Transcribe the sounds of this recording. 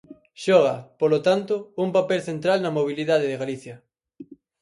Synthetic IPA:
ʃɔɣ̞ɐpolot̪ant̪ʊuŋpapelθent̪ɾalnɐmoβ̞iliðað̞eðɪɣaliθjɐ

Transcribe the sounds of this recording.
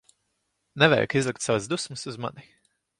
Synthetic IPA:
nɛvɛ̰j̰kizlˠikt̪savazd̪usmɨsuzma̰ni

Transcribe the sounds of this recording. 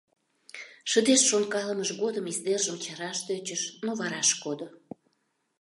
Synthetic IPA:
ʃəd̪eʃʃonkɑləməʃɣod̪əmizd̪erʒəmt͡ɕɑɾɑʃt̪øt͡ɕəʃnoβɑɾɑʃkod̪o

